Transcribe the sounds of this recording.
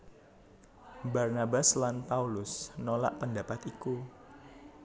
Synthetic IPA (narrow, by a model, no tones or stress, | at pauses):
barnabaslanpaulʊsnola̰ʔpəndapat̪iku